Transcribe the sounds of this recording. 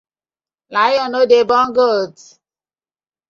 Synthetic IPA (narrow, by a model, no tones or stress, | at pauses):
lajɔnodebɔŋɡot